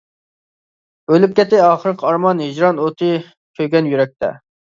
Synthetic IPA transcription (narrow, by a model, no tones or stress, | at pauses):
ølyp̚kʲɛt̪ːɪɑːχəɾɨqʰɑɾmɑnɦɪd͡ʒɾɑnot̪ʰɨ | kʲʰøjɡʲɛnjyɾɛk̚ʲt̪ʰɛ̰